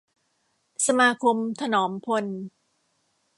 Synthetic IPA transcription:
sa˧maː˧kʰo˧mt̪ʰa˧nɔː˩˦mpʰo˧n

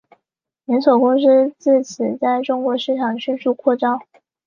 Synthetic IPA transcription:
nɛ˧˥nʂo˨˩ʊkʊ˥ŋs̩˥t͡sɹ̩˥˩t͡sʰɹ̩˨˩t͡sa˥˩ɪʈ͡ʂʊ˥ŋkwɔ˧˥ʂɻ̩˥˩ʈ͡ʂʰɑ˨˩ŋɕy˥˧nʂu˥˧kʰwɔ˥˩ʈ͡ʂɑ˥ŋ

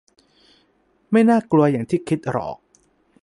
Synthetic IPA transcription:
ma˥˩jnaː˥˩klu˧ɐja˨˩ŋt̪ʰiː˥˩kʰi˦˥t̪̚ɾɔ̰ː˨˩˦k̚

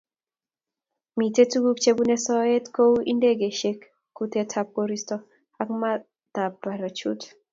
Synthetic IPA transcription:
mi˨te˦tu˦ɡu˦kt͡ʃe˦bu˦ne˦sɔ˦e˦tko˦wi˦nde˦ɡe˨ʃe˦kː | u˦t̪e˦tʰap̚koɾistɔ | a˦kma˦ | d̪̥a˨ba˨ɾa˨t͡ʃut

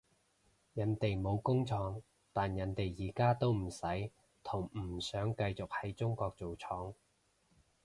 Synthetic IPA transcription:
jɐ˨˥nt̪e˨jmo˨˧wkʊ˥ŋt͡sʰɔː˨˧ŋ | t̪aː˨njɐ˨˥nt̪e˨jːiː˨˩kaː˥t̪o˥wm̩˨˩sɐ˨˥j | t̪ʰʊ˨˩ŋm̩˨˩sœː˨˥ŋkɐ˧jt͡sʊ˨k̚hɐ˨˥jt͡sʊ˥ŋkɔː˧k̚t͡so˨wt͡sʰɔː˨˥ŋ

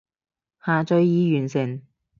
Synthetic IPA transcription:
haː˨t͡sɵ˨˧ɥjiː˨˧jyː˨˩nsɪ˨˩ŋ

